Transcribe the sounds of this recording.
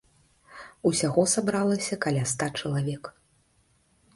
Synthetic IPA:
usʲaɣɔsabɾalˠɐsʲɐkalʲast̪at͡ʂɐlˠavʲɛk

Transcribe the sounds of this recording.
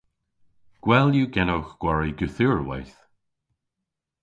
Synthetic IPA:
ɡ̥wɛljuːɡɛnowxɡ̥waɹiɡəθiɹwa̰jθ

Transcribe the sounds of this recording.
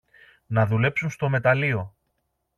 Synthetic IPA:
nɐðule̞psunst̪o̞me̞t̪ɐlio̞

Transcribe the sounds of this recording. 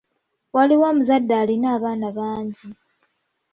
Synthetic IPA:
waliwamuzadːaːlinaːβaːnaβaːɲɟi

